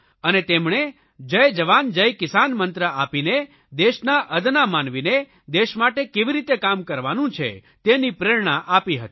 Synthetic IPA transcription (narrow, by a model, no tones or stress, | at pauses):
ənet̪emɳ̃e | d͡ʒəjd͡ʒəʋand͡ʒəjkɪsanmənt̪ɾəʔapine | d̪eʃnaʔəd̪namanʋine | d̪eʃmaʈekeʋiɾit̪ekamkəɾʋanũt͡ʃʰḛ | t̪enipɾeɾɳ̃aʔapiɦət̪i